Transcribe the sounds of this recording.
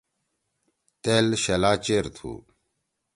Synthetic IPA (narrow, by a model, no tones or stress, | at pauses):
t̪eːlɕɐlaːt͡ɕeɾt̪ʰṵː